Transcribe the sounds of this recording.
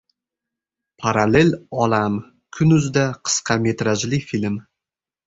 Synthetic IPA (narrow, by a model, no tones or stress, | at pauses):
pʰaɾalelɒlam | kʰʊnʊzd̪aqʰɨ̥sqʰɑme̞t̪ɾaʒlɪfilm